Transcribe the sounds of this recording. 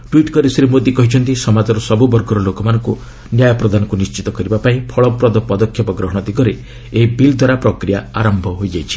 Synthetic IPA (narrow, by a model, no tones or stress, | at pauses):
ʈwiʈkɔɾisɾimod̪ikɔɦit͡ʃʰɔnt̪isɔmad͡ʒɔɾɔsɔbubɔɾɡɔɾɔlokɔmanɔŋku | njajɔpɾɔd̪ʱanɔkunist͡ʃit̪ɔkɔɾibapaĩpʰɔɭɔpɾɔd̪ɔpɔd̪ɔkʰːjɔpɔɡɾɔɦɔɽ̃ɔt̪ikɔɾe | ebild̪ʱwaɾapɾɔkɾijaaɾɔmbʱɔɦojd͡ʒajt͡ʃʰi̥